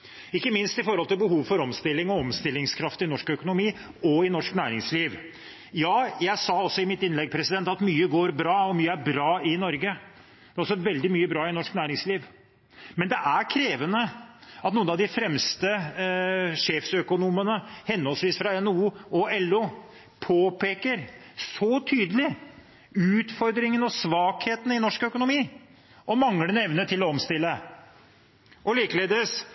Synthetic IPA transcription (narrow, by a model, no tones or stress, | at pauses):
ɪkːəmɪnst̪ɪfɔɾhɔlt̪ɪlbəɦuːʋfɔɾɔmst̪ɪlːɪŋɔɔmst̪ɪlːɪŋskʰɾɑft̪ɪnɔʂkœkʊnʊmiː | ɔɪnɔʂknæːɾɪŋsliːʋ | jɑːjæɪsɑːɔsːɔɪmɪt̪ɪnlɛɡ̚pʰɾɛsɪd̪ɛnt̪ɑt̪myːəɡoːɾbɾɑːɔmyːəæɾbɾɑːɪnɔɾɡə | d̪̥ɛæɾɔlsɔʋɛld̪ɪmyːəbɾɑːɪnɔʂknæːɾɪŋsliːʋ | mɛnd̪ɛʔæɾkʰɾeːʋənəɑt̪nuːənɑʋd̪ɪfɾɛmst̪ə | ʂeːfsœkʊnuːmənəhɛnːɔlsʋiːsfɾɑɛnuːɔɛlːu | pʰoːpʰeːkəɾ | sɔt̪ʰyːd̪əlɪ | ʉːt̪fɔɾd̪ɾɪŋənɔsʋɑːkheːt̪n̩ɪnɔʂkœkʊnʊmiː | ʔɔmɑŋːənɛʋnət̪ʰɪlːɔɔmst̪ɪlːə | ʔɔliːkəleːd̪s